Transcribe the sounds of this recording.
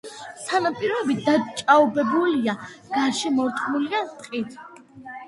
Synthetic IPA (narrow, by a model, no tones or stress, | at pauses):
t̪ʰanapʼiɾɔbɛbit̪̚d̪at͡ʃʼaɔbɛbuliaɡ̥aɾʃɛmɔɾt̪ʼmuliat̪ʼqʼit̪ʰ